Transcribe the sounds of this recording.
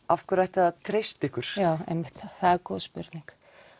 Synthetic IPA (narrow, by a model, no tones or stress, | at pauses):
afkʏɾajht̪at̪ʰɾejst̪ɪhkʏɾ̥jaːwḛjmːɪht̪θaðɛɾkɔðspʏɾt̪niŋk